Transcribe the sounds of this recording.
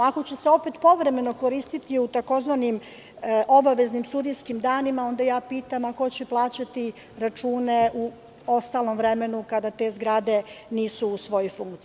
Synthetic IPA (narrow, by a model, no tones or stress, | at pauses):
ako̞t͡ɕeseo̞pet̪po̞ʋɾe̞me̞no̞ko̞ɾiːst̪it̪iut̪ako̞zʋanim | ʔo̞baʋe̞znimst̪ud̪iskimd̪aːnimao̞nd̪ajaːpiːt̪amako̞t͡ɕeplˠaːt͡ɕat̪i | ɾat͡ʃuːne̞ʔu | o̞st̪aːlˠo̞mvɾeme̞nukad̪at̪e̞zɡɾad̪e̞niːsuːsʋo̞jojfuŋkt̪i